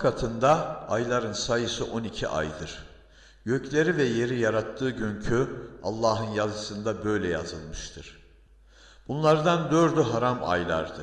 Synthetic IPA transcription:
kʰat̪ʰɯnd̪aːjlˠaɾɯnsajɯsɯʔo̞nicʰiʔa̰jd̪ɯɾ̥ | ɟø̞clʲe̞ɾivɛje̞ɾijaɾat̪ʰːɯːɟøɲcʰya̰lˠːaːɦɯnjazɯsɯnd̪abø̞jlʲɛja̰zɯlˠmɯʃt̪ʰɯɾ̥ | b̥unlˠaɾd̪and̪øɾd̪yɦaɾama̰jlˠa̰ɾd̪ɯ

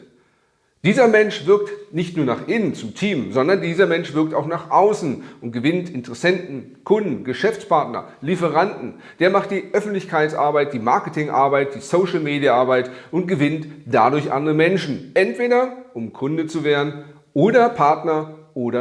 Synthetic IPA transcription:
d̥iːzɐmɛnʃv̥ɪɐk̚tnɪçtnuːɐnaːχʔɪnənt͡sʊmtʰiːmzɔndɐndiːzɐmɛnʃv̥ɪɐk̚taʊxnaːχʔaʊsn̩ʊntɡ̥əvɪntɪntəʁɛsɛntn̩ | kʰʊndn̩ɡəʃɛft͡spaɐtnɐ̰ | lifəʁ̞andn̩ | d̥eːɐmaχt̚d̥iːʔœfn̩tlɪçkʰaɪt͡sʔa̰ɐbaɪt̚d̥iːmaɐkətɪŋʔa̰ɐbaɪt̚d̥iːsoʊʃl̩meːdijaʔaɐbaɪtʔʊnt̚ɡ̥əvɪntd̥adʊɐçʔa̰ndəʁəmɛnʃn̩ʔɛntv̥eːɾɐʔʊmkʰʊndət͡suveːɐdn̩ | ʔoːɾɐpʰaɐtnɐʔoːɾɐ

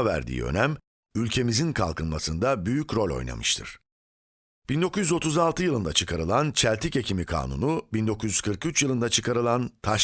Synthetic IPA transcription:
væ̰ɾd̪ḭːø̰næm | ylʲcʰe̞mizinkʰa̰lˠkʰɯnma̰sɯnd̪abyjycɾo̞lʲo̞̰jna̰mɯʃt̪ʰɯ̰ɾ̥ | b̥ind̪o̞kuzʲjyzo̞t̪ʰuzalˠt̪ʰɯjɯlˠɯnd̪at͡ʃʰɯkʰaɾɯlˠant͡ʃʰælʲt̪ʰice̞cʰimikʰa̰ːnṵnubind̪o̞kʰuzʲyz̥kʰɯɾkɯyt͡ʃjɯlˠɯnd̪at͡ʃʰɯkʰaɾɯlˠant̪ʰaʃ

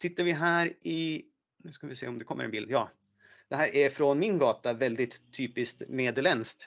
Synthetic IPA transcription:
sʰɪt̪ːaɾvɪɦæːɾʔɪ | nʉ̟ːskavɪsḛːɔmd̪ɛkʰɔmːə̰ɛ̰nbɪld̪jɑː | d̪̥ɛɦæːɾʔæɾfɾɔnmɪnɡɑːt̪avɛld̪ɪt̪ʰːyːpɪskt̪neːd̪əɭɛnskt̪

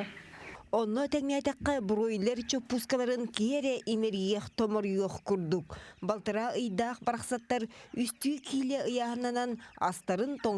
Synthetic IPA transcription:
onːot̪eŋneɑjt̪ɑqːɑbuɾojilʲeɾt͡ʃøpːuskalˠɑɾɯŋkieɾeʔimeɾɡijeχt̪omoɾujoχkuɾd̪ukbɑlˠt̪ɯɾɑɯjd̪ɑqbɑɾɑqsɑt̪ːɑɾyst̪ykʰilʲeʔɯjɑɦɯnɑnɑnɑ̰st̪ɑɾɯnt̪o

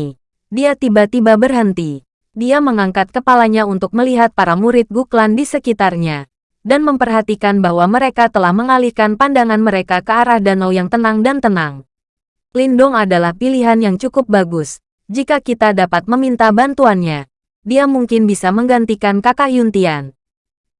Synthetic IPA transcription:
diat̪ibat̪ibabərɦənt̪i | diaməŋaŋkat̪̚kəpalaɲaunt̪ʊk̚məliɦat̪̚paɾamuɾɪt̪̚ɡuklandisəkit̪arɲa | danməmpərɦat̪ikanbahwaməɾekat̪əlahməŋalikanpandaŋanməɾekakəaɾahdanɔwjaŋt̪ənaŋdant̪ənaŋ | lindʊŋadalahpiliɦanjaŋt͡ʃukʊp̚baɡʊs | d͡ʒikakit̪adapat̪̚məmint̪abant̪uanɲa | diamuŋkɪnbisaməŋɡant̪ikankakajunt̪ian

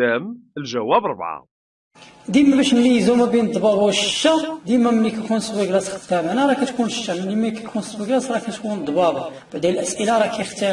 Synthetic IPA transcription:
æməlʒæwæbɾˤbʕa̰ | d̪imæbæʃnlijzumæbind̪ˤbɑbawəʃə̥ʃːæd̪imæmənːikækunswiɡlæsxə̥t̪ːæmænaɾˤɑkæt̪kunʃə̥ʃːæmənːimkækʰunswiɡlæsɾˤɑkæt̪kund̪ˤbɑbab̥aʕd̪æəlʔæsʔəlaɾˤɑkæjəxt̪ə

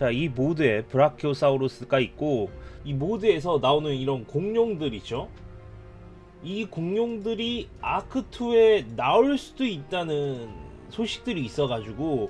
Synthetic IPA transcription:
t͡ɕaimodɯe̞pɯɾakʰjos͈ʰauɾos͈ɯkait̚k͈oimodɯe̞s̬ʰʌnaonɯniɾʌnkoŋɲoŋdɯɾit͡ɕo | ikoŋɲjoŋdɯɾiakʰɯtʰue̞naoɭs͈udoit̚t͈anɯn | sʰoɕʰi̥k̚t͈ɯɾiːs͈ʌɡad͡ʑuɡo

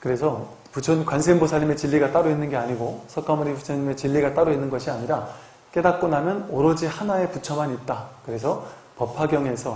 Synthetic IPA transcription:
kɯɾe̞sʰʌ | put͡ɕʰʌnkwans̬ʰembosʰaʎime̞t͡ɕiʎːiɡat͈aɾoinːɯnɡe̞aɲiɡosʰʌk͈amuɾipusʰeɲime̞t͡ɕiʎːiɡat͈aɾoinːɯnɡʌɕʰiaɲiɾa | k͈e̞dak̚k͈ʌnɦamjʌnoɾʌd͡ʑihanae̞put͡ɕʰʌmaɲit̚t͈akɯɾe̞sʰʌ | pʌpʰaɡjʌŋe̞sʰʌ

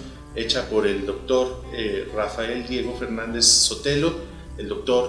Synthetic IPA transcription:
e̞t͡ʃapo̞ɾe̞ld̪o̞k̚t̪o̞ɾerafae̞ld̪je̞ɣo̞fe̞ɾnãnd̪e̞sːo̞t̪e̞lo̞ | eld̪o̞k̚t̪o̞ɾ

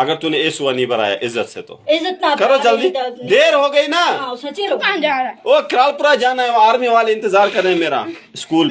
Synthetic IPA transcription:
ɐɡəɾt̪ʊnẽeːsʊʋanĩːbɐɾa̰ːja̰ːʔɪzːət̪sḛt̪o̰ːɪzːət̪̚nakɐɾoːt͡ʃɐlnĩːɖeːɾɦoːɡɐiːnaasɐt͡ʃiod͡ʒoːkɪɾaːlpʊɾad͡ʒaːnaːɦẽoaːɾmiʋaːleɪnt̪ɪzaːɾkɐɾdaːɦẽmeːɾa̰ː | ɪskuːl

